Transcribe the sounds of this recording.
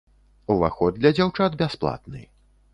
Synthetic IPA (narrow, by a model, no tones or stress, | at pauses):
uva̰xɔd̪lʲɐd͡zʲawt͡ʂad̪bʲasplˠa̰t̪nɨ̰